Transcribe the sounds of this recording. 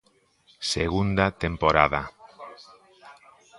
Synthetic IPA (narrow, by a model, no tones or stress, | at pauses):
seɣund̪at̪empoɾaða